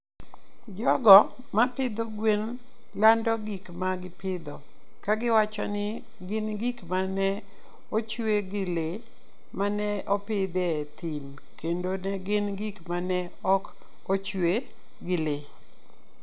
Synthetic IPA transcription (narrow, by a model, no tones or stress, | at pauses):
d͡ʒɔɡɔ | mapɪd̪oɡwen | landɔɡikmaɡɪpɪd̪ɔ | kaɡɪwat͡ʃɔ̰nɪ | ɡɪnɡikmanɛ | ot͡ʃweɡɪle | manɛʔɔpɪd̪ɛt̪im | kendonɛɡɪnɡikmanɛ | ɔk | ot͡ʃwe | ɡɪle